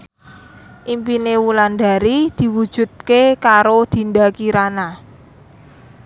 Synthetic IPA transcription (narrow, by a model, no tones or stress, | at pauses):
ʔimpinewuland̪a̤ɾid̪̥i̤wud̥ʒ̥ṳt̪̚kekaɾod̪̥i̤ndakiɾana